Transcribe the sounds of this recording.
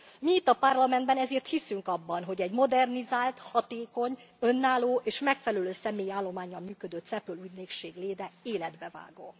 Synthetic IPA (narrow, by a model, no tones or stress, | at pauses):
miit̪ːɒpɒrlɒmɛnd̪bɛnɛzeːrt̪hisyŋkɒbːɒnɦo̞ɟɛɟmo̞d̪ɛrnizaːlt̪hɒt̪eːko̞ɲ | ø̞nːaːloːʔeːʃmɛkfɛlɛløːsɛmeːjiaːlːo̞maːɲːɒlmyːkød̪øt̪sɛpøluːɟneːkʃeːɡleːd̪ɛeːlɛd̪bɛva̰ːɡoː